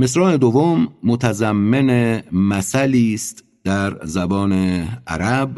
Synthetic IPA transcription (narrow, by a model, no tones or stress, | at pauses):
me̞s̬ɾɒːne̞d̪ovomːot̪ʰæzæmːe̞nemæsæliːst̪ | d̪̥æɾzæbɒːneæ̰ɾæb